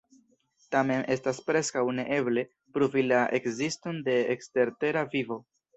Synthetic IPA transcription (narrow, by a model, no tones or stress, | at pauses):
tame̞nʔe̞staspɾe̞skawne̞ʔe̞ble̞ | pɾuvilaʔe̞kzisto̞nde̞ːkste̞ɾte̞ɾavivo̞